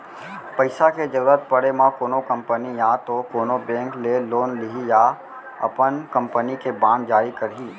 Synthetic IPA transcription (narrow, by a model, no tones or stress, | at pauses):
pɐɪsaked͡ʒəɾuːɾət̪̚pəɽemãkoːnokɐ̃mpənijãt̪okoːnobɛ̃ːŋkleloːnlɪɦija | ɐ̰pənkɐ̃mpənikebãːnd͡ʒaːɾikɐɾɦiː